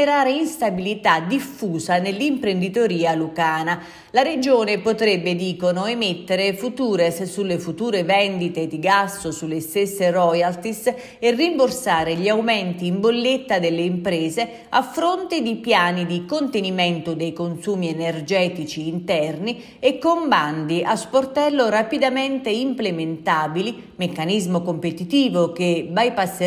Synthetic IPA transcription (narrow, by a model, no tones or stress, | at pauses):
eɾaːɾeinst̪abilit̪ad̪ifːuːzanelːimpɾend̪it̪oɾiːalukaːna | laɾed͡ʒoːnepot̪ɾɛbːed̪iːkonʊemet̪ːeɾefut̪uːɾessulːefut̪uːɾevɛnd̪it̪ed̪iɡasːʊsulːest̪esːerɔjalt̪is | erːimborsaːɾeʎiawmɛnt̪iːmbolːet̪ːad̪elːeimpɾɛːze | afːɾont̪ed̪ipjaːnid̪ikont̪enimɛnt̪ʊd̪ejkonsuːmiɛnerd͡ʒɛːt̪it͡ʃiːnt̪ɛrni | ekːomband̪iʔasport̪ɛlːoɾapid̪amɛnt̪eimplement̪aːbili | mekːanizmokompet̪it̪iːvok̟ebajpasː